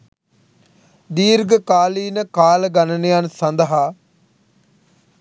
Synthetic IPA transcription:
d̪iːɾɡəkaːliːnəkaːləɡanənəjansɐnd̪əɦaː

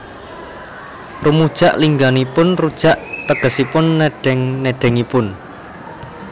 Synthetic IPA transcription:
rumud̥ʒ̥aʔliŋɡanipʊnrud̥ʒ̥aʔt̪əɡ̥əsipʊnːeɖ̥ɛŋneɖ̥ɛŋipʊn

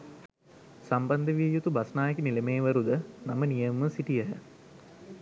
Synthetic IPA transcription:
sambɐnd̪əʋijut̪ubasnaːjekinilemeːʋəɾud̪ənamənijəmːəsiʈijəɦə̰

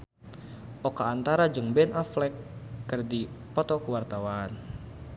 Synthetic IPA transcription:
ʔɔkaːnt̪aɾad͡ʒɨŋbɛnʔaflɛkːɨrdipɔt̪ɔkəwart̪awaan

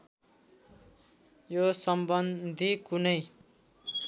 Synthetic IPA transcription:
josʌmbʌnd̪ʱikunʌj

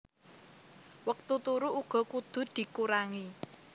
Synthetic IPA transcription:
wək̚t̪ut̪uɾuʔuɡ̥ɔ̤kud̪̥ʊ̤d̪̥i̤kuɾaŋi

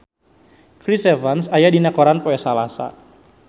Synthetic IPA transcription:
kɾisɛvansajadinakɔɾanpɔɛsalasa̰

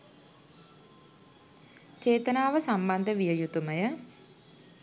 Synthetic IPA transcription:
t͡ʃeːt̪ənaːʋəsamband̪əʋijəjut̪uməjə

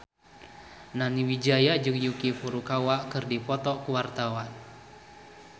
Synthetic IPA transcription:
naniwid͡ʒajad͡ʒɨŋjukifuɾukawaʔkɨrdipɔt̪ɔkuwart̪awan

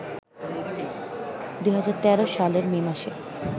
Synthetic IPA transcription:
d̪ujɦad͡ʑaɾt̪ɛɾoʃaleɾminaʃeɾ

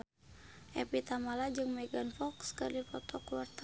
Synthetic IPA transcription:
ʔɛpit̪amalad͡ʒɨŋmɛɡanfɔkskərdipɔt̪ɔkuwart̪

